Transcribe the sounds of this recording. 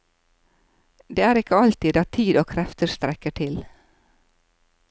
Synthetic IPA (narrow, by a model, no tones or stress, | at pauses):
d̪eːæːɾɪkəɑlt̪iːd̪ɑːt̪ʰiːd̪oːkʰɾɛft̪əst̪ɾɛkəʈʰɪl